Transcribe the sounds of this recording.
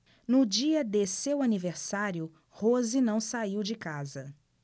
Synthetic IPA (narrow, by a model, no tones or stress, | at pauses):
nʊd͡ʒiɐd̪esewaniveɾsaɾjʊ | hozinɐ̃w̃saiwd͡ʒɪkazɐ